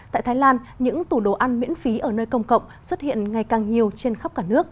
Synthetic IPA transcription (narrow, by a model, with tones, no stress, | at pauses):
t̪a̰ː˧˨jt̪aː˨˦jlaː˧nɲɨ̰˧˥ŋt̪u˧˩ɗo˧˨˩ʔa˧nmḭ˧˥ənfi˨˦ʔəː˧˩nəː˧jkə˧wŋ͡mkə̰˧˨wŋ͡mswə˦˥t̚hḭ˧˨ənŋa˨˩jkaː˨˩ŋɲi˨˩əwt͡ɕe˧nxa˦˥p̚kaː˧˩nɨ˦˥ək̚